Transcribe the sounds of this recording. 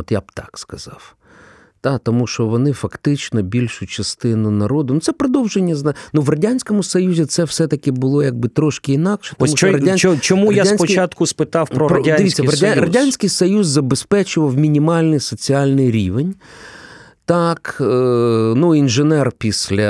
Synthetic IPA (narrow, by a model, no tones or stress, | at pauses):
ɔt̪jab̚t̪ɑ̥kskɐz̥ɑw | d̪̥ɑt̪ɔmuʃɔʋɔnɪfɐkt̪ɪt͡ʃnɔbʲilʲʃʊt͡ʃɐst̪ɪnʊnɐɾɔd̪ʊnʊt̪sɛpɾɔd̪ɔwʒenʲːɐznnuʋrɐdʲanʲsʲkɔmʊsɔjuzʲit̪sɛwsɛt̪ɐkɪbʊlˠɔjɐɡ̚bɪt̪ɾɔʃkɪinɑkʃɛ̥t̪ɔmuʃɔɾɐdʲanʲt͡ʃɔmujɐad̪anʲspɔt͡ʃat̪kʊspɪt̪ɑwpɔpɔd̪ɪʋʲist͡sʲːɐɾɐdʲaɾɐdʲanʲsʲkɪjsɔjuzːɐbespɛt͡ʃʊʋɐwmʲinʲimɑlʲnɪjsɔt͡sʲiɑlʲnɪjɾʲiʋenʲ | t̪ɑk | nuinʒɪnɛrpʲisʲlʲɐ